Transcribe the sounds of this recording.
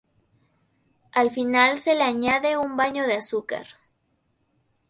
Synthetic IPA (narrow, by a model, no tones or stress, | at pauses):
alfinalse̞leaɲaðe̞umbaɲo̞ðeasuka̰ɾ